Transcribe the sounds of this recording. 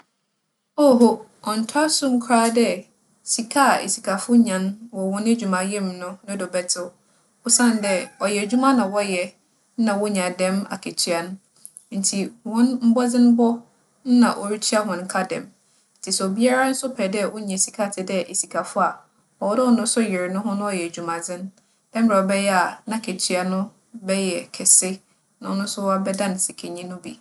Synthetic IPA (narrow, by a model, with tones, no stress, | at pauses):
o˦ɦo˦ɔ˨n̩˨tʰʊ˦a˦sʊ̃˦ŋ̩˨˦kʰʊ˨ɾaː˦dɛ˦ | si˨kʰa˦˨ḛ˨si˨kʰa˨fʊ˦ɲã˨nwɔ˨wɔ̃˦ne˦d͡ʑᶣu˨mã˨jɛ̃˦˨mnʊ̃˦nʊ̃˦dɔ˨bɛ˨tʰɪ˦ | ʊ˦sã˦˨n˦dɛ˦ɔ˨jɛ˨d͡ʑᶣu˦mã˦nã˨wɔ˦jɛ˨ | n̩˦nã˨wʊ˦ɲã˨dɛ̃˦ma̰˨kʰe˨tʰɥa˨ñ˦ | n̩˨tʰi˨wɔ̃˦nm̩˦bɔ˦d͡zɪ̃˦n˦bɔ˦ | n̩˦nã˨ʔɔ˨ɾi˦tʰi˦a˦hʊ̃˨n̩˦kʰa˦dɛ̰̃˨m | n̩˦tʰi˨sɛ˨o˨bi˦a˦ɾa˦n̩˦sʊ˦pʰɛ˨dɛ˦wʊ˦ɲɛ̃˨si˨kʰa˨tʰɪ˨dɛ˦ʔe˨si˨kʰa˨fʊ˦a˨ | ɔ˨wɔ˦dɛ˦wɔ˨nʊ̃˦sʊ˦jɪ˨ɾɪ˨nʊ̃˦ɦʊ̃˦nʊ̃˦ɔ˨jɛ˨d͡ʑᶣu˨mã˨d͡zɪ̃˦n | d̥ɛ̃˦m̩˦bɾɛ˨ɔ˨bɛ˦jɛ˦a˨nã˦˨kʰe˨tʰɥa˨nʊ̃˦ | bɛ˦jɛ˨kʰɛ˨sɪ˦ | nʊ̃˨˦nʊ̃˦sʊ˦wa˦bɛ˦dã˦n˨sɪ˨kʰe˨ɲĩ˦nʊ̃˦bḭ˨